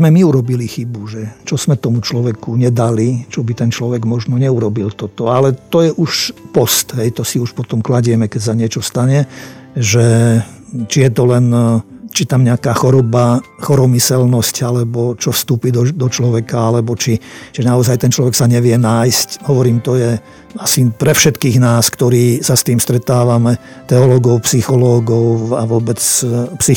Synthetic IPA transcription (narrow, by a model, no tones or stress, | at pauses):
mɛmiuɾɔbilixibuʒɛt͡ʃɔz̥mɛt̪ɔmut͡ʃlɔʋɛkuɲɛd̪alit͡ʃɔbit̪ɛnt͡ʃlɔʋɛɡmɔʒnɔɲɛuɾɔbilt̪ɔt̪ɔalɛt̪ɔjɛʔuʃpɔst̪ɦɛjt̪ɔsiuʃpɔt̪ɔmklaɟɛmɛkɛcs̬aɲɪɛt͡ʃɔst̪aɲɛʒɛ | t͡ʃijɛt̪ɔlɛnt͡ʃit̪amɲɛakaːxɔɾɔbaxɔɾɔmisɛlnɔscalɛbɔt͡ʃɔfst̪uːpiːd̪ɔd̪ɔt͡ʃlɔʋɛkaalɛbɔt͡ʃit͡ʃiʒnaɔzajt̪ɛnt͡ʃlɔʋɛksaɲɛʋɪɛnaːjscɦɔʋɔɾiːmt̪ɔjɛ | asipɾɛfʃɛt̪kiːɣnaːskt̪ɔɾiːsast̪iːmst̪ɾɛt̪aːʋamɛ | t̪ɛɔlɔːɡɔʊpsixɔlɔːɡɔʊaʋʊɔbɛt͡spsi